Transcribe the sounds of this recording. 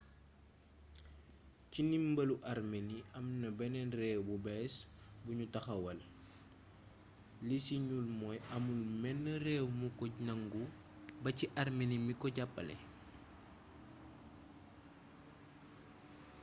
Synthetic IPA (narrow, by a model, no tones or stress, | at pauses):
cinimbɐluʔarmeniɐmnɐbɛnɛnrɛwbubɛsbuɲutɐxɐwɐl | lisiɲulmɔːjɐmulmɛnːərɛːwmukɔɲɐŋɡu | bɐciʔarmenimikɔɟapːɐ̰lɛ̰